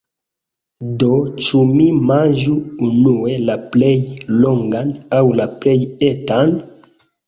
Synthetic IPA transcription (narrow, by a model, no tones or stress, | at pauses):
dot͡ʃumimãnd͡ʒuːnue̞laplejloŋɡanawlaplejetan